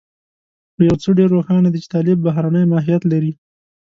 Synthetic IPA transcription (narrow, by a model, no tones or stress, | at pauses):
xəjawt͡soɖeɾːoxɑnad̪it͡ʃɪ̥t̪ɑlɪbːaɦɾanəjmɑɦijat̪laɾi